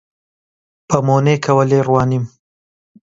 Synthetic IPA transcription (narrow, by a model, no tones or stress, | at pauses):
pəmonekʰɐwəleɾwɑːnim